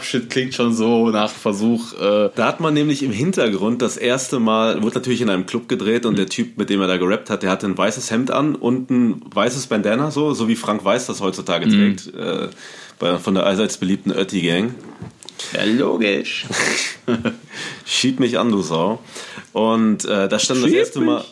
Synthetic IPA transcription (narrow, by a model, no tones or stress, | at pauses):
pʃɪtkʰl̥ɪŋtʃoːnzoːnaːχfɛɐzuːxʔɛːd̥aːhatmanːɛːmlɪçɪmɦɪntɐɡʁʊnt̚d̥asʔeːɐstəmaːlvʊɐdənatʰyːɐlɪçɪnʔaɪnəmkʰl̥ʊp̚ɡ̥ədʁeːtʊntd̥eːɐtʰyːp̚mɪt̚d̥eːmeɐdaːɡəʁɛp̚that̚d̥eːɐhatənvaɪsəshɛmtʔa̰nʔʊ̰ntn̩vaɪsəsb̥ɛndɛnɐzoːzoːviːfʁ̥aŋkv̥aɪsd̥ashɔʏt͡su̥tʰaːɡətʁ̥ɛːk̚tʔɛ̰ːb̥aɪfɔndeːɐʔaɪzaɪsb̥əliːp̚tn̩ʔœ̰ɐtiɡɛŋ | ja̰lo̰ːɡɪʃ | ʃiːpmɪçʔa̰nduːzaʊʔʊntʔɛːdasʃtantdaseːɐstəmaː